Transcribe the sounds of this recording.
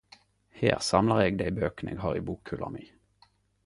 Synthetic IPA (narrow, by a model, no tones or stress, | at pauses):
hḛːʁsɑmləʁeːɡd̪æɪbøːknʔḛːɡhɑːʁiːbuːkʰʉlɑ̰miː